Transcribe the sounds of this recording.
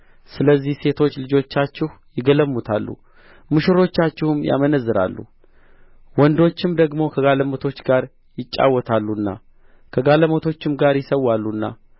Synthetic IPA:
sɨləzːihse̞t̪ʰo̞t͡ʃːlɨd͡ʒo̞t͡ʃːat͡ʃːɪhjɪɡələmːut̪ʰalːṵ | mɨʃɪɾo̞t͡ʃːat͡ʃːɪhʊmja̰mənəzːɨɾa̰lːṵ | wɔnd̪o̞t͡ʃːɪmd̪əɡmo̞kʰəɡaləmot̪ʰo̞t͡ʃːɡaɾ | jɪt͡ʃʼːa̰wːɔt̪ʰalːuɨnːa̰ | kʰəɡaləmot̪ʰo̞t͡ʃːɪmɡaɾjɪsəwːalːunːa̰

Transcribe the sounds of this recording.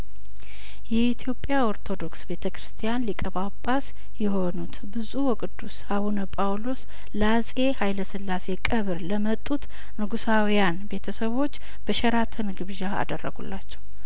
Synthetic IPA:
jɛit̪ʰjo̞pʼːjaoɾt̪ʰo̞d̪o̞ksbe̞t̪ʰəkɾɨst̪ʰijanlikʼəβapʼːas | jɛɦo̞nut̪bɨzuwɔkʼɨd̪ːushaβunəpʼawlo̞s | lazʼe̞hajləsɨlːase̞kʼəβɨɾləmət̪ʼːut̪ | nɨɡusawijanbe̞t̪ʰəsəβo̞t͡ʃː | b̥əʃɛɾat̪ʰənɡɨβʒaa̰d̪ərːəɡṵlːat͡ʃːɛw

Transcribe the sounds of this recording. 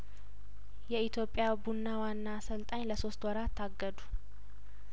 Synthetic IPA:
jɛit̪ʰjo̞pʼːjabunːawanːasəlt̪ʼaɲləso̞st̪wɔɾat̪ʰːaɡːəd̪u

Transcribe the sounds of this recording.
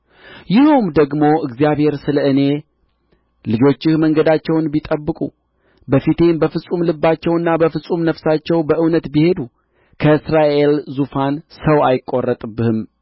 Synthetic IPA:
jɪhowmd̪əɡmo̞ʔɨɡzijaβhe̞ɾsɨləɨne̞ | lɨd͡ʒo̞t͡ʃːɪhməŋɡəd̪at͡ʃːɛwnbit̪ʼəbːɨkʼṵ | bəfit̪e̞mbəfɨsʼumlɨbːat͡ʃːɛwɨnːabəfɨsʼumnəfsat͡ʃːɛwbəʔɨwnət̪bihe̞d̪u | kʰəɨsɾaʔe̞lzufansəwajɪkʼːorːət̪ʼɨbːɨhɨm

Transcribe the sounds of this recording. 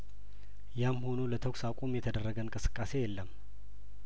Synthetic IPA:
jamho̞nolət̪ʰəksakʷʼomjɛt̪ʰəd̪ərːəɡənkʼɨsɨ̥kʼːase̞jɛlːəm

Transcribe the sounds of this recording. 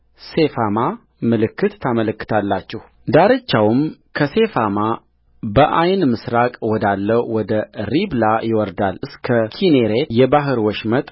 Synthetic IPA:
se̞fama | mɨlɨkːɨt̪ːʰamələkːɨ̥t̪ʰalːat͡ʃːɛh | d̪aɾət͡ʃːawm | kʰəse̞fama | bəʔajnmɨsɾakʼwɔd̪alːəwwɔd̪əɾiblajɪwɔɾd̪alɨskʰəkʰineɾejɛbaɦɨɾwɔʃmət̪ʼ

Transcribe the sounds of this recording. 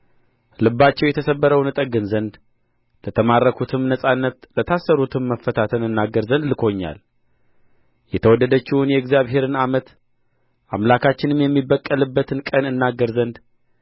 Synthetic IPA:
lɨbːat͡ʃːɛwjɛt̪ʰəsəbːəɾəwnɨt̪ʼəɡɨnzənd̪ | lət̪ʰəmarːəkʰut̪ʰɨmnəsʼanːət̪lət̪ʰasːəɾut̪ʰɨmːəfːət̪ʰat̪ʰənɨnːaɡəɾzənd̪lɨkʰo̞ɲːa̰l | jɛt̪ʰəwɔd̪ːəd̪ət͡ʃːɪwunjɛɡzjaβɦe̞ɾɨnamət̪ | ʔa̰mlakʰat͡ʃːɪnɨmjɛmːibːəkʼːəlɨbːət̪ʰɨnkʼənɨnːaɡːəɾzənd̪

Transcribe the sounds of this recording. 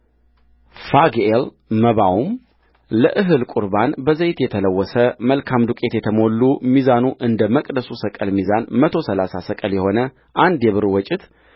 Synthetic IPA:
faɡel | məβawum | ləʔɨɦɨlkʼuɾbanbəzəjt̪jɛt̪ʰələwːɔsəməlkʰamd̪ukʼe̞t̪jɛt̪ʰəmo̞lːumizanuʔɨnd̪əməkʼd̪əsusəkʼəlmizanmət̪ʰo̞səlasasəkʼəljɛho̞nə | ʔand̪jɛβɨɾwɔt͡ʃʼɪt̪

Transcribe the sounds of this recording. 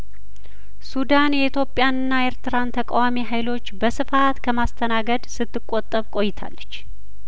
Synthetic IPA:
sud̪anjɛit̪ʰjo̞pʼːjanɨnːae̞ɾt̪ʰɨɾant̪ʰəkʼawamiɦajlo̞t͡ʃːbəsɨfat̪kʰəmast̪ʰənaɡəd̪sɨt̪ːɨkʼːot̪ʼːəβkʼo̞jːɪt̪ʰa̰lːət͡ʃː

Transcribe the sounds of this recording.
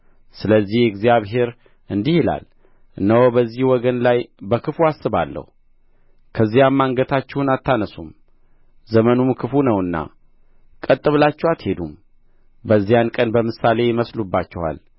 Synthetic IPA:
sɨləzːihɨɡzijaβɦe̞ɾ | ʔɨnd̪ihila̰l | ɨnːəwobəzːihwɔɡənlajbəkʰɨfuasːɨβa̰lːə̰hu | kʰəzːijamːaŋɡət̪ʰat͡ʃːɛhunat̪ʰːanəsum | zəmənumkʰɨfunəwɨnːa̰ | kʼət̪ʼːɨβlat͡ʃːɛwat̪he̞d̪um | bəzːijankʼənbəmɨsale̞jɪməslubːat͡ʃːɛwa̰l

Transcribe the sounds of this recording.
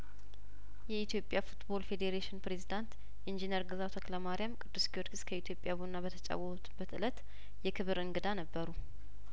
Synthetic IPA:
jɛit̪ʰjo̞pʼːjafut̪bo̞lfe̞d̪eɾeʃɪnpɾe̞zid̪ant̪ | ʔind͡ʒinəɾɡɨzat̪ʰokləmaɾijamkʼɨd̪ːɨskiwot̪ɡɨskʰəit̪ʰjo̞pʼjaβonːabət̪ʰət͡ʃʼa̰wːəut̪b̥ət̪ɨlət̪ | jɛkʰɨβɨɾɨŋɡɨd̪anəbːəɾu

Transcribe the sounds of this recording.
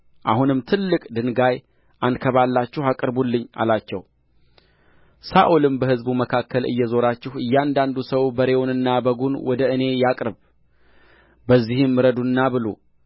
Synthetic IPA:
ʔahunɨmt̪ʰɨlːɨkʼd̪ɨnɡaj | ʔankʰəβalːat͡ʃːɛhakʼɾbulːɨɲːa̰lat͡ʃːɛ̰w | saʔulɨmbəhɨzbuməkʰakːəlɨ̰jːɛzo̞ɾat͡ʃːɪhɨjːand̪and̪usəwbəɾewonɨnːabəɡunwɔd̪əɨne̞jakʼɾɨβ | bəzːihɨmːɨɾəd̪unːabɨlo̰

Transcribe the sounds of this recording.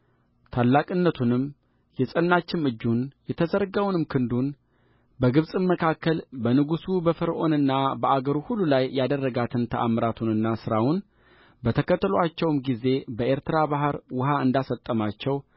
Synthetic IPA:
t̪ʰalːakʼɨnːət̪ʰunɨm | jɛsʼənːat͡ʃːɪmɨd͡ʒːunjɛt̪ʰəzəɾɡawnɨmkʰɨnd̪un | bəɡɨβsʼɨmmːəkʰakːəlbənɨɡusubəfɨɾʔo̞nɨnːabəaɡəɾuhulːulajːad̪ərːəɡat̪ʰɨnt̪ʰəʔamɾat̪ʰunɨnːasɨɾawʊn | bət̪ʰəkʰət̪ːəloat͡ʃːɛwmɡize̞bəʔeɾt̪ɨɾabaɦɨɾwʊɦaɨnd̪asət̪ʼːəmat͡ʃːɛw

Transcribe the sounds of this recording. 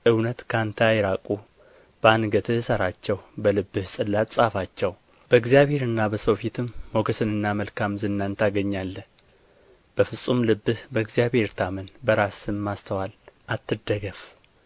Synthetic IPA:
ʔɨwnət̪kʰant̪ʰajɛɾakʼu | b̥əanɡət̪ʰɨhsəɾat͡ʃːɛwbəlɨbːɨhsʼɨlːat̪ʼsʼafat͡ʃːɛw | b̥əɨɡzjaβhe̞ɾɨnːabəsowfit̪ʰɨmːoɡəsɨnɨnːaməlkʰamzɨnːant̪ʰaɡəɲːalːə | b̥əfɨsʼːumlɨbːɨhbəɨɡzijaβhe̞ɾt̪ʰamənbəɾasɨmːast̪ʰəwalʔat̪ʰːɨd̪əɡəf

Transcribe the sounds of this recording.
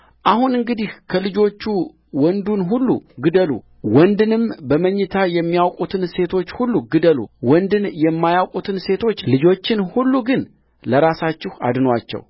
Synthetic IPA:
ʔahunɨŋɡɨd̪ihkʰəlɨd͡ʒo̞t͡ʃːu | wɔnd̪unɦulːṵɡɨd̪əlṵ | wɔnd̪ɨnɨmbəməɲːɨt̪ʰajɛmːijawkʼut̪ʰɨnse̞t̪ʰo̞t͡ʃːhulːuɡɨd̪əlṵwɔnd̪ɨnjɛmːajawkʼut̪ʰɨnse̞t̪ʰo̞t͡ʃːlɨd͡ʒo̞t͡ʃːɪnhulːuɡɨn | ləɾasat͡ʃːɪha̰d̪nwat͡ʃːɛ̰w

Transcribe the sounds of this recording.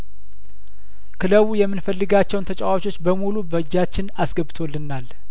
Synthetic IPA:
kʰɨləwujɛmːɨnfəlːɨɡat͡ʃːɛwnt̪ʰət͡ʃʼawat͡ʃʰo̞t͡ʃːbəmulubəd͡ʒːat͡ʃːɪnasɡəbɨt̪ʰolːɨnːal

